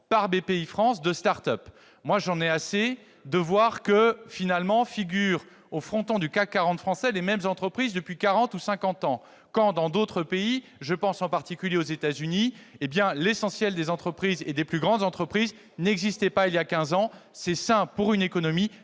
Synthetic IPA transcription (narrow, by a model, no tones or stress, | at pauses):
paʁbepeifχɑ̃sd̪əst̪aʁt̪œp | mwaʒɑ̃nɛase | d̪əvwaʁkəfinalmɑ̃fiɡʲyʁ | ofχɔ̃t̪ɔ̃d̪ykakːaʁɑ̃t̪fχɑ̃sɛlemɛmzɑ̃t̪χəpχizd̪əpɥikaʁɑ̃t̪usɛ̃kɑ̃t̪ɑ̃ | kɑ̃d̪ɑ̃d̪ot̪χəpei | ʒəpɑ̃sɑ̃paʁt̪ikʲyljeozet̪azyniebjɛ̃lesɑ̃sjɛld̪ezɑ̃t̪χəpχized̪eplyɡʁɑ̃d̪zɑ̃t̪χəpχiz | nɛɡzist̪ɛpailjakʲɛ̃zɑ̃sɛsɛ̃puʁynekɔnɔmi